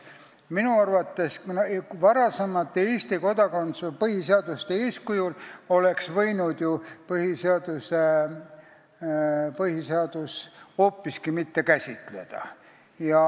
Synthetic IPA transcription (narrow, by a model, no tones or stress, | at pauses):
minuɑrvɑt̪ːe̞snvɑɾɑsemɑt̪ːˑeeːsʲt̪iko̞d̪̥ɑko̞nspɤhiseɑd̪ust̪ee̞ːskujulo̞le̞ksvɤ̞jnud̪̥jupɤhiseɑd̪̥use | pɤhiseɑd̪̥uso̞ːpːiskimit̪ːe̞kæsʲit̪ˑle̞̰d̪̥ɑ̰ | jɑ